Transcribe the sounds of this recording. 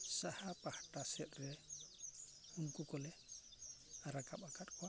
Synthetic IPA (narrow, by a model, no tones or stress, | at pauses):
sahapahaʈasɛt̚ʼɾɛ | unkɔkɔlɛ | aɾakapakatkʰɔwa